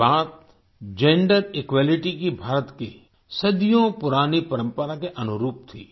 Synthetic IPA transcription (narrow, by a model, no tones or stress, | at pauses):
baːt̪̚ | d͡ʒẽːɳɖəɾɪkwaːlɪʈikibʱaːɾət̪ke | sɐd̪ijõpʊɾaːnipɐɾə̃mpəɾakeʔɐnʊɾuːp̚t̪ʰḭː